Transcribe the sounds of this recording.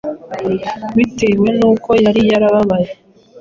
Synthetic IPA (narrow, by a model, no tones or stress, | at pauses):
wite̞ːwe̞nuːko̞jaɾijaɾaβaβaje